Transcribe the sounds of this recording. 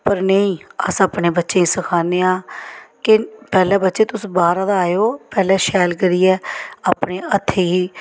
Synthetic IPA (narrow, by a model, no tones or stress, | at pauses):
pəɾnəĩːə̰sapneːbətːʃẽːisəkʰaːneːãːkɪpɛːlɛːbətːʃeːt̪ʊsbaːɾãːd̪aaːjoːpɛːlɛːʃɛːlɡəɾiːɛːaːpneːʔət̪ʰːeːiː